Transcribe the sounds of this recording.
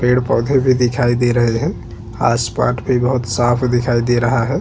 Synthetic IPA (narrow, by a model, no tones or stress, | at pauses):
peɽpɔd̪ʱebʱid̪ɪkʰaid̪eɾəɦeɦɛ̃ | a̰spa̰ʈbʱibəɦʊt̪sapʰd̪ɪkʰaid̪eɾəɦaɦɛ